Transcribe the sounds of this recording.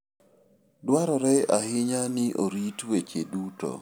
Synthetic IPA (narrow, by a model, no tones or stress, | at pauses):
dwaɾɔɾɛahɪɲanɪʔoɾitwet͡ʃeduto̰